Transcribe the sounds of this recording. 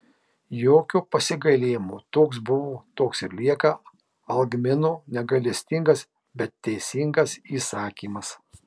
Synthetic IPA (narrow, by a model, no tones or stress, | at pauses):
joːkʲuːpɐsʲɪɡɐlʲeːjmut̪oːksbʊʋoːt̪oːksɪɾlʲiɛkɐ | ɐlˠɡmʲɪnoːnʲɛɡɐlʲɛsʲt̪ʲɪŋɡɐs | bʲɛt̪ːʲɛɪsʲɪŋɡɐsiːsɑːkʲiːmɐs